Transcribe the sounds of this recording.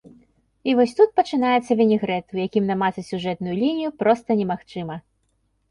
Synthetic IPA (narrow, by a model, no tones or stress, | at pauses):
ivɔsʲt̪ut̪̚pɐt͡ʂɨn̪ajɛt̪sːɐvʲɛnʲiɣɾɛt̪ujakʲimnamasɐsʲuʐɛt̪nʊjulʲinʲijupɾɔst̪ɐnʲɛmaxt͡ʂɨmɐ